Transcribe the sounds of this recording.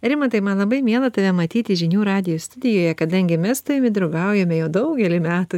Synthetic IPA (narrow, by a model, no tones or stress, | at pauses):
ɾʲɪmɐt̪ɐɪmɐnlˠɐbɐɪmʲeɛlˠɐt̪ɐʋʲɛmɐt̪ʲiːt̪ʲɪʒʲɪnʲuːɾɑːd̪ʲɪjoːst̪ʊd̪ʲɪjoːjɛkɐd̪ɐŋʲɡʲɪmʲɛst̪ʊʋʲɪmʲɪd̪ɾɐʊɡɐʊjɛmʲɛjɛʊd̪ɐʊɡʲɛlʲɪmʲæːt̪u